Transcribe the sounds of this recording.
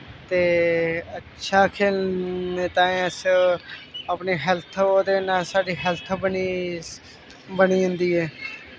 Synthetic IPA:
t̪eːətːʃʰaːkʰeːlneːt̪ãːẽəs | əpniːɦɛlt̪ʰoːd̪eːnaːsaːɖiːɦɛlt̪ʰbəniː | bəniːɦʊ̃nd̪iːɛː

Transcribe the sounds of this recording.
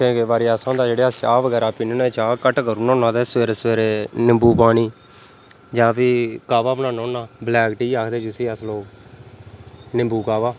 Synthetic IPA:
kẽːkeʋaːɾiaːsãːd̪aːd͡ʒeːɽeːaːt͡ʃaːʋəɡɛːɾaːpɪnːnẽːt͡ʃaːkəʈkəɾuːnɔ̃ːnãːd̪eːsʋeːɾeːsʋeːɾeːnɪmbuːpaːniː | d͡ʒãːpiːkaːʋaːbənãːnõːnaːblɛːkʈiːaːkʰd̪eːt͡ʃʊsĩːəsloːk | nɪmbuːkaːʋaː

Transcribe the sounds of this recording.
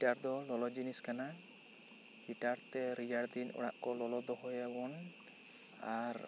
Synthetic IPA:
itaɾd̪ɔlɔlɔd͡ʒiniskana | ɡitaɾt̪ɛɾijaɽd̪inɔ̰ɽa̰ʔkɔlɔlɔd̪ɔɦɔjawɔn | aɾ

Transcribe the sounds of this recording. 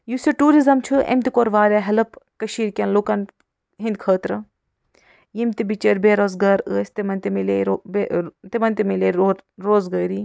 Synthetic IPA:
jusɐʈuːɾizɐmt͡ʃʰɨʔḛmt̪ikoːɾʋaːɾʲaɦɐlɐpkɐʃiːɾkʲɐnloːkɐn | ɦĩnd̪kʰəːt̪ɾɐ | jemt̪ibit͡ʃɐɾbeːɾoːzɡaːɾəːsʲt̪imɐnt̪imileo | t̪emɐnt̪imileɾoːzɡɐːɾi

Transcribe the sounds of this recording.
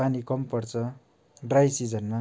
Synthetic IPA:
anikʌmpʌrt͡sʰʌ | ɖrajsid͡zʌnmʌ

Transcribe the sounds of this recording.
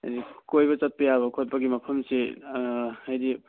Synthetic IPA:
a̰jdikojbɐt͡ʃɐt̚pɐjaβɐkʰot̚pɐɡimɐpʰɐmse | ajdi

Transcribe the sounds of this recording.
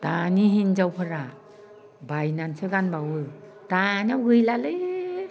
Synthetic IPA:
taniɦind͡ʒawpʰɯɾa | bajnansɯɡanbawɯ | tanawɡɯjlalɯj

